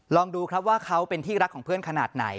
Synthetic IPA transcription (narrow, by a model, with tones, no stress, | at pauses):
lɔː˧ŋduː˧kʰɾa˦˥p̚waː˥˩kʰa˦˥wpe˧nt̪ʰiː˥˩ɾa˦˥kʰːɔː˩˦ŋpʰɯ˥˩ənkʰa˧naː˨˩t̪̚na̰˩˦j